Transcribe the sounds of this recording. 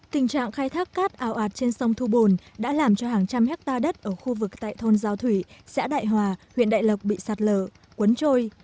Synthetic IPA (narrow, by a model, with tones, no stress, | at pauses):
t̪ï˨˩ŋ̟t͡ɕa̰ː˧˨ŋxaː˧jt̪ʰaː˦˥kːaː˦˥k̚ʔaː˨˩wʔaː˨˩t̚t͡ɕe˧nsə˧wŋ͡mt̪ʰu˧ɓo˨˩nɗa̰ː˧˥laː˨˩mt͡ɕɔ˧ɦaː˨˩ŋt͡ɕa˧mhɛ˦˥k̚t̪aː˧ɗə˦˥t̚ʔəː˧˩xu˧vɨ˨˩k̚t̪a̰ː˧˨jt̪ʰo˧nzaː˧wt̪ʰwi˧˩sa̰ː˧˥ɗa̰ː˧˨jɦwaː˨˩hwḭ˧˨ənɗa̰ː˧˨jlə˨˩wk͡p̚ɓḭ˧˨saː˨˩t̚ləː˧˩˨ | kwə˨˦nt͡ɕo˧j